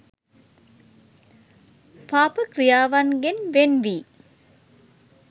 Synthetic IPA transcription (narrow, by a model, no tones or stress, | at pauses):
paːpəkrijaːʋanɡenʋenʋiː